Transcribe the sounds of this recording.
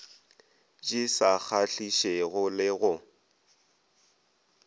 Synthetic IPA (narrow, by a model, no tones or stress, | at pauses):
t͡ʃʼisak͡xʰaɬiʃeɣʊlɪɣʊ